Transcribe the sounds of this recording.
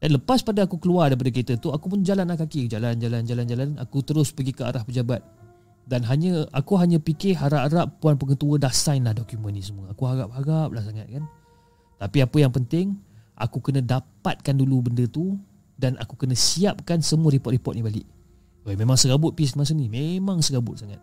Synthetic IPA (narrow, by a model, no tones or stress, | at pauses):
danləpaspadaakukəluardajp̬adəkɾit̪ət̪uakupənd͡ʒalanlahkakid͡ʒaland͡ʒaland͡ʒaland͡ʒalana̰kut̪əɾʊspəɡikəa̰ɾʔahpəd͡ʒabat̪̚ | danɦaɲəakuɦaɲə̃pikɪɦaɾaɾap̚puanpəŋət̪uədasajnlahdɔkjumə̃nːĩsəmuəakuɦaɾap̚ɦaɡap̚lahsaŋat̪̚kan | t̪apiapəjaŋpənt̪ɪŋʔa̰kukənə̃dapat̪̚kandulubəndət̪u | danʔa̰kukənə̃siap̚kansəmuəɾipɔt̪̚ripɔt̪̚nibalɪ̰ʔ | amemaŋsəɡabʊt̪̚pis̬imas̬ənimemãŋsəɡabʊt̪̚saŋat̪̚